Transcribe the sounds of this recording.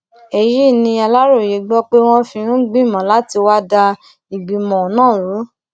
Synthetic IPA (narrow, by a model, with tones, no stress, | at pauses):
e˨ji˦˨nĩ˧a˧la˦ɾo˦˨je˨˦ɡ͡bɔ˦k͡pe˦w̃ɔ̃˦fĩ˧ɾ̃ũ˦ɡ͡bĩ˦˨mã˨la˦ti˧wa˦da˧ | i˨ɡ͡bi˨mɔ̃˨nãː˦˨ɾu˨˦